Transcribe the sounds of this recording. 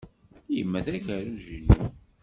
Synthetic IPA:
jəmːæθækæɾuʒinːṵ

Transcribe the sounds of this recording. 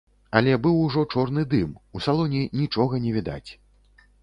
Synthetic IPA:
ɐlʲɛbɨwuʐɔt͡ʂɔrnɨd̪ɨmusalˠɔnʲinʲit͡ʂɔɣɐnʲɛvʲid̪a̰t͡sʲ

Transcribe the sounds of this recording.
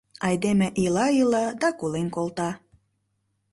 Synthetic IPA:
ɑjd̪emeʔilɑilɑd̪ɑkulenkolt̪ɑ

